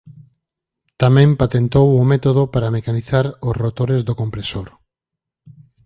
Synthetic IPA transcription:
t̪amɛ̃mpat̪ent̪owʊmet̪oð̞opaɾamekaniθaɾosrot̪oɾezðokompɾesoɾ

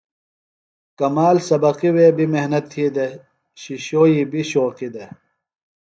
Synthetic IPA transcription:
kɐmaːlsɐbɐqiweːbimeɦnɐt̪ʰːiːd̪e | ɕiɕoːiːbiɕoːqid̪e

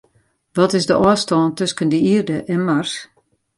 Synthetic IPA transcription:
ʋɔtɪzdəʔɔəstɔːntøskəndəirdəʔɛnmars

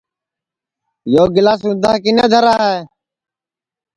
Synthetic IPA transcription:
joːɡɪlaːs̬ʊ̃nd̪ʱaːkɪneːd̪ʱəɾaːɦeː

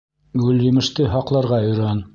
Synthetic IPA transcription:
ɡɵljɘ̆mɘ̆ʃt̪ɘɦɑqlˠɑɾʁɑɵ̆jɾæn

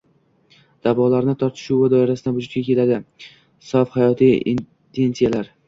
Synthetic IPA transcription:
d̪̥avɒlaɾnɪt̪ʰɒɾt̪ʰɪ̥ʃuwad̪ɒɪɾasɪd̪anbʊd͡ʒʊt̪kʲakʲʰe̞lad̪ɪ | sɒfhajɒt̪ʰijḭn | t̪ʰe̞nsijalaɾ

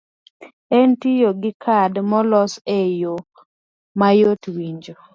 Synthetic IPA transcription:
ɛntijoɡɪkʰadmɔlɔsejo | majotwiɲd͡ʒo

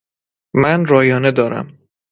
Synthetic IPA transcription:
mænɾɒːjɒːne̞d̪ɒːɾæ̰m

